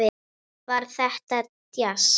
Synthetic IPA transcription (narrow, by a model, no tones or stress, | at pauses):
ɪ | vaɾ̥θɛht̪at̪jas